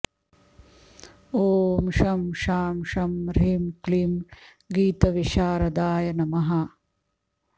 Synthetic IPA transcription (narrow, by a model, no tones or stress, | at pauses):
oːmʃɐmʃaːmʃɐmɾimkliːm | ɡiːt̪ɐʋiʃaːɾɐd̪aːjɐnɐmɐɦɐ